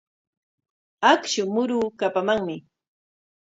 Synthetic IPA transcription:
akʃʊmʊɾuːkapamaŋmɪ

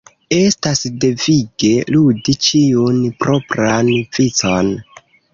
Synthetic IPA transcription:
e̞stasde̞viɡe̞ludit͡ʃiunpɾo̞pɾanvit͡son

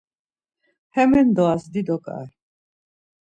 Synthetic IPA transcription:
hɛmɛnd̪ɔasd̪id̪ɔkʼa̰ɾ

